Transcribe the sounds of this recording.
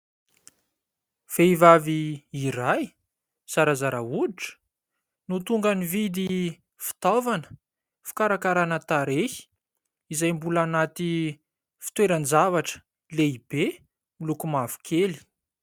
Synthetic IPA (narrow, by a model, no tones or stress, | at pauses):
v̥eivaviːiɾaj | saɾazaɾauiʈ͡ʂə̥ | nut̪uŋɡanivid̪i | fi̥t̪avanə̥ | fi̥kaɾakaɾanət̪aɾehi̥ | izajmbulanat̪i | fi̥t̪weɾənd͡zavaʈ͡ʂə̥ | leib̥e | milukumav̥u̥kʰeli̥